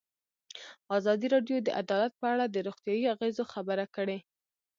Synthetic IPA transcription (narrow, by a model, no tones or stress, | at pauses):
ɑzɑd̪iɾɑɖjod̪əʔad̪ɑlat̪̚pəaɽad̪əɾoxt̪jɑjiaɣezoxabəɾakəɽe